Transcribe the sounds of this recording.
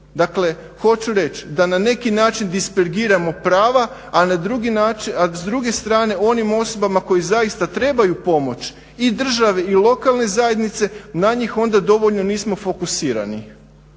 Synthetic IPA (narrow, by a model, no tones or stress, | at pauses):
d̪akle̞ | xo̞t͡ʃuɾe̞t͡ʃd̪anane̞kinaːt͡ʃind̪ispeɾɡiːɾamo̞pɾaːʋaː | nad̪ɾuɡinaːt͡ʃiazd̪ɾuɡe̞st̪ɾaːne̞o̞nimo̞so̞bamako̞jizajist̪at̪ɾe̞ːbajupo̞mo̞t͡ʃ | id̪r̩ʒaʋe̞ilˠo̞kalˠne̞zaje̞d̪nit̪se̞naɲixo̞nd̪ad̪o̞ʋo̞ʎno̞niːsmo̞fo̞kusiːɾa̰nḭ